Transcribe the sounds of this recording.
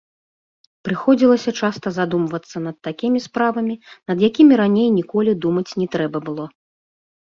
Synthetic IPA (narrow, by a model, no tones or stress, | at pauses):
pɾɨxɔd͡zʲilˠɐsʲɐt͡ʂast̪ɐzad̪umvɐt̪sːɐnɐt̪ːakʲimʲispɾavɐmʲinɐd̪jakʲimʲiɾanʲejnʲikɔlʲid̪umɐt͡sʲnʲɛt̪ɾɛbɐbɨlˠɔ